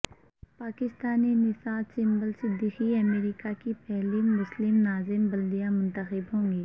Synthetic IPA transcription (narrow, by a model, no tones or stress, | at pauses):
paːkɪst̪aːninɪsaːd̪sɪ̃mbəlsɪd̪ixiɐmeːɾikakipɛɦlimʊslɪmnaːzɪmbɐld̪ijamʊ̃nt̪əxɪbɦõːŋɡiː